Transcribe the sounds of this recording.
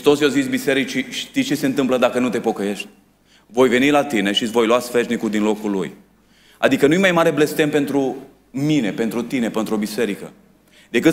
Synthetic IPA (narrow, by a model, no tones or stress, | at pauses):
ɾist̪o̞sjozit̪sʲbise̞ɾit͡ʃiʃt̪it͡ʃese̞nt̪ɨmpləd̪akənut̪e̞po̞kəje̞ʃt̪ʲ | vo̞jve̞nilat̪ineʃt̪it̪sʲvo̞jlwasfeʒnikuld̪inlo̞kulṵj | a̰d̪ikənujemajmaɾe̞ble̞st̪empe̞nt̪ɾu | mine̞pe̞nt̪ɾut̪ine̞pe̞nt̪ɾuobise̞ɾikə̰ | d̪e̞kɨt̪